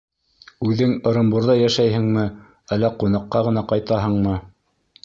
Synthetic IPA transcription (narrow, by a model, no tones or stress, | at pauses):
ʉðɘŋɤ̆ɾɤ̆mbuɾðɑjæʃæjɦɘ̆ŋmɘ | ælːæqunɑqːɑʁɤ̆nɑqɑjt̪ɑɦɤ̆ɴmɤ